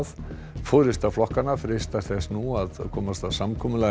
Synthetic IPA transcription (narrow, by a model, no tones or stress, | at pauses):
ð | foɾɪst̪aflɔhkanafɾɪst̪ḁθɛsnuaðkʰɔːmast̪avsamkʰɔːmʏla